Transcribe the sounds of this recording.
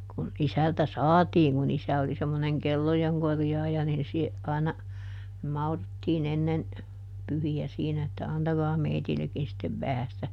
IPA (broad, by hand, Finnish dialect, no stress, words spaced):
kun isæltæ sɑːtiːŋ kun isæ oli semːoneŋ kelːojeŋ korjɑːjɑ nin sie ɑˑinɑ mɑurutːiːn enːen pyhiæ siːnæ etːæ ɑntɑɡɑː meitilːekːin sitːeʋ ʋæhæ sĭtæ